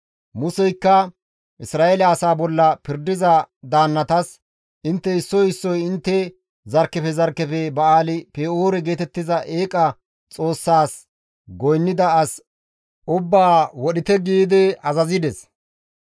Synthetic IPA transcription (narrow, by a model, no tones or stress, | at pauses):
mʊsɛjkːɐ | ʔɪsɾaːɛlɐɐsaːbɔlːɐpɪɾd̪ɪzɐd̪aːnːɐt̪ɐs | ʔɪnt̪ːɛɪsːɔjɪsːɔjɪnt̪ːɛ | zɐɾkːɛpɛzɐɾkːɛpɛbɐaːlɪpeoːɾɛɡe̞ːt̪ɛt̪ːɪzɐʔeːkʼɐ | t͡sʼo̞ːsːaːs | ɡɔjnːɪd̪ɐːs | ʔʊbːaːwɔɗɪt̪ɛɡiːd̪ɛɐzɐzɪd̪ɛs